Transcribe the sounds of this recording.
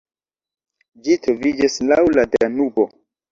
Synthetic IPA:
d͡ʒitɾovid͡ʒislawladeanubo

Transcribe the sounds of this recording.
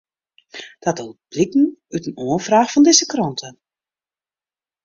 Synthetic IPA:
d̥atəlˠb̥likn̩ytənoːəfraːxfɔndɪzəkrɔntʰə

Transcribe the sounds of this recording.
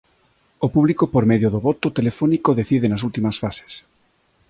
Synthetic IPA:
opuβlikopoɾmeðjoðoβɔt̪ot̪elefɔnikoðeθiðenasult̪imɐsfase̥s

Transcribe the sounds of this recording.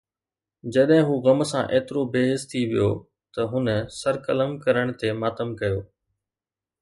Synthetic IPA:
d͡ʑɐɗɦɪ̃ɦuːɣɐmsã̰ːʔeːt̪ɪɾobeːɦɪst̪ʰiʋɪ̰jo̰ː | t̪ɐɦʊnəsɐɾkələmkɐɾəɽ̃t̪emaːt̪əmkɐjoː

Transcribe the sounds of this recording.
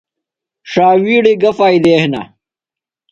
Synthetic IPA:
ʂaːwiːɽiɡɐfaːjd̪eːhnɐ̰

